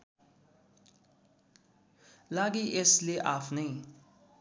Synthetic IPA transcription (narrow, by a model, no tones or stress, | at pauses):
laɡiʔesleʔapʰnʌ